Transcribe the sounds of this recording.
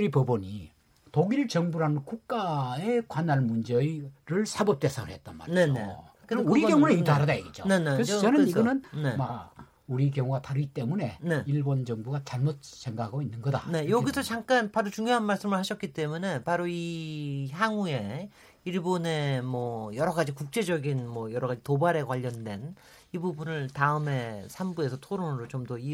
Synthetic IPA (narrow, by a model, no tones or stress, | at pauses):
ɾipʌboɲi | toɡiɾɯɭt͡ɕʌŋbuɾanɯnkuk̚k͈aekwanaɭmund͡ʑeɾɯɭsʰabʌp̚t͈e̞sʰaŋɯɭhet̚t͈anma̰ɾne̞nḛo | kɯuɾikjʌŋuneiaɾɯdajeɡet͡ɕ͈one̞nekest͡ɕʌnɯniɡʌnɯnnema | uɾikjʌŋuɡataɾɯɡit͈e̞mune̞̰ne̞iɭbond͡ʑʌŋbuɡat͡ɕaɭmot̚seŋɡakʰaɡoinːɯnɡʌda̰ne̞joɡisʰʌt͡ɕaŋk͈anpaɾot͡ɕuŋjoɦanmaɭs͈ɯmɯɭhaɕʰʌt̚k͈it͈e̞mune̞paɾoiɦaŋue̞ | iɭbone̞mwʌjʌɾʌɡad͡ʑikuk̚t͡ɕ͈e̞d͡ʑʌɡinmʌjʌɾʌɣad͡ʑitobaɾe̞kwaʎːʌndwe̞n | ibubunɯɭtaɯme̞sʰambue̞sʰʌtʰoɾonɯɾot͡ɕomdʌi